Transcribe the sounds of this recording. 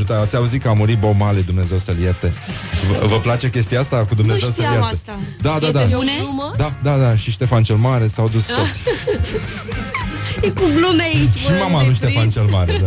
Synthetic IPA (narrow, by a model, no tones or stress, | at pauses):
ʒut̪aat̪sʲauzit̪kəamuɾit̪̚bomaled̪umne̞ze̞wsəljert̪e̞ | vvəplat͡ʃe̞kʲe̞s̬t̪ijaast̪akud̪umnezewsəljeɾt̪ə | d̪ad̪ad̪ad̪ad̪ad̪aʃiʃt̪e̞fant͡ʃe̞lmaɾe̞sawd̪ust̪os | kuɡlumeait͡ʃʃimamaluʃt̪efant͡ʃelmaɾed̪a